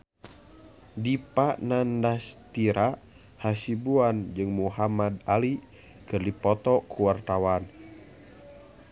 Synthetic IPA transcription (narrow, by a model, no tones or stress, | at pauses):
dipanandast̪iɾa | hasibuand͡ʒɨŋmuɦamad̪ali | kɨrdipɔt̪ɔkʰuwart̪awan